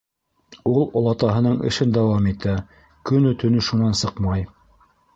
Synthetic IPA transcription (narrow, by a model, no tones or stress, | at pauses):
ulˠŏlˠɑt̪ɑɦɤ̆nɤɴɘ̰̆ʃɘnd̪ɑwɑmit̪æ | kɵ̆nɵt̪ʰɵ̆nɵʃunɑnsɤqmɑj